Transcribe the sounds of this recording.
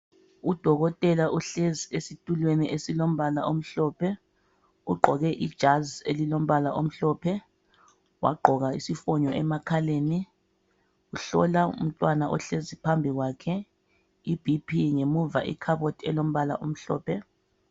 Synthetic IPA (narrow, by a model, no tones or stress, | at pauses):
ud̥ʱɔɣɔtʼɛlaʔuɬeziesitʼulweniʔesilom̩βalaʔom̩ɬɔːpʰɛ | uɡ͡ǃʱɔɣɛʔid̥ʒ̥ʱazḛlilom̩βalaʔom̩ɬɔːpʰɛ | wa̰ɡ͡ǃʱɔɣaisifɔɲɔʔɛmakʰaleːni | uɬɔ̰laṵm̩tʼwanaʔɔ̰ɬezipʰambʱiɣwaːkʰɛ | ib̥ʱipʰiŋemuva̰ʔḭkʰaβotʰiɛlom̩βala̰ʔom̩ɬɔ̰ːpʰɛ